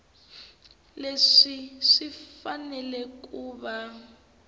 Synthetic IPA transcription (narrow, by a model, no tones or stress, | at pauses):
leʂiʂifanɛlɛkuːβa